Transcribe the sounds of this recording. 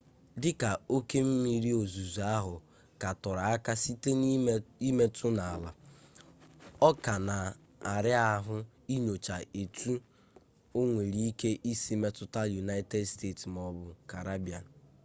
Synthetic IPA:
dɪ˦ka˨o˦ke˦m̩˦mi˨ɾi˦o˨zu˨zu˨a˦ɦʊ˨ | ka˨tɔ˨ɾa˨a˦ka˦si˦te˦ni˦me˦tʰʊ˦na˨a˨la˨ | ɔ˦ka˨na˨ | a˨ɾɪ˦a˦ɦʊ˦ | i˦ɲo˨t͡ʃa˨e˨tʰu˦ | o˦ŋʷe˨ɾi˦i˦ke˦ʔi˦si˦me˦tʊ˦ta˦lju˨na˦ɪ˦te˦dste˦˨tsm˨ɔ˨bʊ˨ka˨ɾa˦bi˨a˨n˨

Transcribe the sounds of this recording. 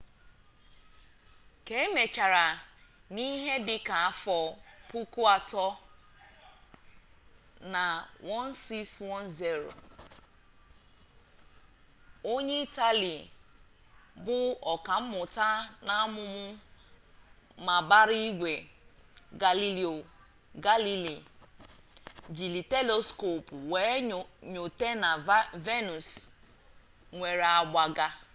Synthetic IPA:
ke˨e˦me˨t͡ʃa˨ɾa˨ni˦ɦe˦dɪ˦ka˨a˦fɔ˨pu˦ku˦a˨tɔ˦ | na˨wɔ˦nsi˦kswɔ˦nzi˦ɾo̰˨ | o˦ɲe˦i˦ta˦li˨ | bʊ˦ɔ˨ka˨m̩˦mʊ˨ta˦na˦mʊ˦mʊ˦ | ma˨ba˦ɾi˦ɡʷe˨ | ɡa˨li˦li˨o˨ | ɡa˦li˦li˨ | d͡ʒi˨li˨te˦lo˦sko˨pu˨we˨˦˨ɲo˨te˦na˨ve˦nu˨s | ŋʷe˨ɾa˨ɡ͡bʷa˨ɡa˦

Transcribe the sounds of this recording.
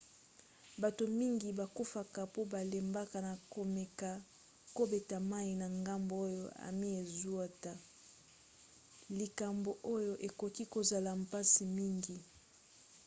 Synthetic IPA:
ba˨to˨mi˦ŋɡi˨ba˨ku˦fa˨ka˨po˦ba˨le˨mba˦ka˨na˨ko˨mɛ˨ka˨ | ko˦be˨ta˨ma˦i˨na˨ŋɡa˦mbo˨o˦jo̰˦a̰˨mi˦e˨zu˦a˦ta˨ | li˨ka˨mbo˨ʔo˦jo˦ʔe˨ko˨ki˦ko˨za˨la˨mpa˦si˨mi˦ŋɡi˨

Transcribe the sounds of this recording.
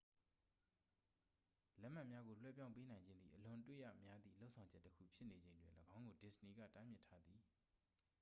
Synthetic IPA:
lɛ˦ʔm̥a˦ʔmja˦ɡo˨l̥wɛ̰˦˨p̬jã˦ʊ̃pe˦nã˨ɪ̃ɲd͡ʑɪ̃˦nd̪ðḭ˦˨ʔəlʊ̃˨twḛ˦˨ja̰˦˨mja˦d̪ðḭ˦˨lo˦ʔsʰã˨ʊ̃ɲd͡ʑɛ˦tːəkʰṵ˦˨pʰjɪ˦ʔne˨d͡ʑẽ˨ntwɪ̰̃˨ləɡã˦ʊ̃ŋɡo˨dɪ˨səni˨ɡa̰˦˨ta˦mjɪ˦tʰːa˦d̪ði˨

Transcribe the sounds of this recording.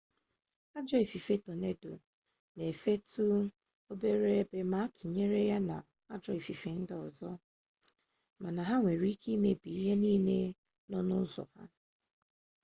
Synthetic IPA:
a˦d͡ʒɔ˦e˨fi˨fe˦to˨ne˦do˨ | ne˨fe˦tʰu˦ | o˦be˦ɾe˦ɾe˦be˦ma˦a˦tʊ˨ɲe˦ɾe˦ja˦na˨ | a˦d͡ʒɔ˦e˨fi˨fe˨n̩˦dɪ˦ɔ˨zɔ˦ | ma˨na˨ɦa˦ŋʷe˨ɾi˦ki˦i˦me˦bi˨i˦ɦe˦niː˦ne˦ | nɔ˦nʊ˦zɔ̰˨ha̰˦

